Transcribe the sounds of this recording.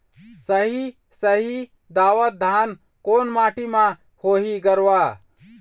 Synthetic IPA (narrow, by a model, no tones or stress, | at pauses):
səɦi | səɦi | d̪aːʋət̪̚d̪ʱaːn | koːnmaːʈimã | hoːɦiɡəɾʋa